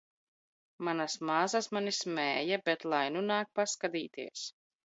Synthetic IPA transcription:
manasmaːzasmanismɛːjabɛt̪lˠajnunaːk̚paskad̪iːt̪ḭɛs

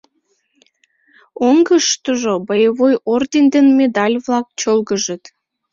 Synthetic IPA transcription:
oŋɡəʃt̪əʒobəjəβojord̪ʲend̪enmed̪ɑlʲβlɑk̚t͡ɕolɣəʒət̪

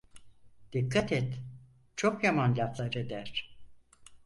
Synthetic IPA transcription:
d̪̥ikʰːat̪ʰɛt̪ | t͡ʃʰokjamanʎʲat̪lˠaɾed̪æɾ̥

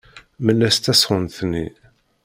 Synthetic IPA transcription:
məlːæst̪ːæsʁənθnːḭ

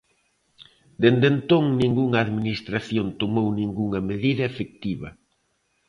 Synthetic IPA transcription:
d̪end̪ent̪oŋnĩŋɡuŋɐːðminist̪ɾaθjont̪omownĩŋɡuŋɐmeðiðɐefek̚t̪iβɐ̰

